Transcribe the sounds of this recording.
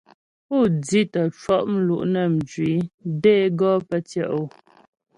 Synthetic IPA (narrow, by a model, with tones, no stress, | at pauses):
pu˦˨d͡zi˦tə˨t͡ʃwɔ˦ʔm̩˦lṵ˨ʔnə˨m̩˨d͡ʒɥi˨˦de˦ɡɔ˦pə˦tjɛ˦˨ʔo˨